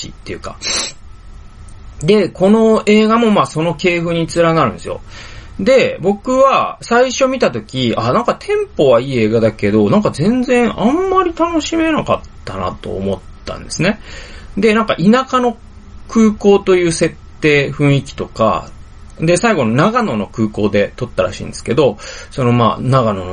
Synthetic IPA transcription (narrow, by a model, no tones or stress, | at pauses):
t͡ɕḭt̪ːe̞jɯ̟ka̰ | d̪e̞ko̞no̞e̞ːɡamo̞maːso̞no̞ke̞ːɸɯ̟ɲ̟it͡sɨɾaɡaɾɯ̟̃nd̪esɨj̰o̞̰d̪e̞bo̞kɯ̟βasaiɕo̞mʲit̪at̪o̞kʲiʔanãŋkat̪ʰẽ̞mpo̞βaiːe̞ːɡad̪ake̞d̪o̞nãŋkazẽ̞nzẽ̞ɰ̃ʔãmːaɾʲit̪ano̞ɕime̞naka̰t̪ːana̰t̪o̞̰ːmo̞t̪ːã̰nd̪e̞sɨne̞d̪e̞nãŋka̰ʔinakano̞ | kɯːko̞ːt̪o̞jɯ̟ːse̞t̪ːe̞ːɸɯ̟̃ɰ̃ikʲi̥t̪o̞ka̰ | d̪e̞saiɡo̞nonaɡano̞no̞kɯ̟ːko̞ːd̪e̞t̪o̞t̪ːaɾa̰ɕḭ̃ːnd̪esɨ̥ke̞d̪o̞so̞no̞ma̰ːnaɡano̞no